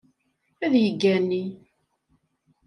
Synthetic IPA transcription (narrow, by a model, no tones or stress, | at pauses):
æðjəɡːænːi